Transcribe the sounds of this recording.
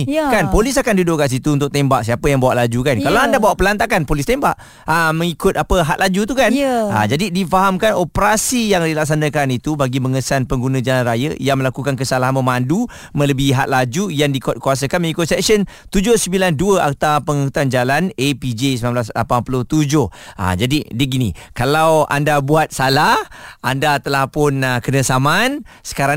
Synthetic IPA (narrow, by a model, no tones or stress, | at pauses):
kanpolis̬akandudʊʔkans̬it̪uːnt̪ʊk̚ʔ̚t̪embaʔsiapəjaŋbawaʔlad͡ʒukankalaandabawaʔpəlant̪akanpolist̪embaʔ | ʔamə̃ŋikʊt̪apəɦaʔ̪̚lad͡ʒut̪ukana̰d͡ʒadidifaɦamkanopəɾasijaŋdilaksanə̃kanit̪ubaɡiməŋəsanpəŋɡunə̃d͡ʒalanrajə̰jaŋməlakukankəsalaɦanmə̃mãndu | mə̃ləbɪɦat̪̚lad͡ʒujaŋdikɔt̪̚kuwas̬akanməikosɛksənt̪ud͡ʒʊhsəmbilanduəʔa̰k̚t̪apəŋikut̪and͡ʒalanepid͡ʒesəmanblasla̰panpulʊht̪ud͡ʒʊha̰d͡ʒadidiɡinḭ̃kalawa̰ndabuat̪̚salahandat̪əlahpʊnəkənə̃saman | sə̥kaɾaŋ